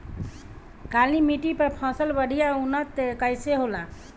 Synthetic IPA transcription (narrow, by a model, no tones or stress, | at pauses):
kalnimiʈipəɾpʰɔ̃səlbəɽ̤ʱijaunət̪kajseɦola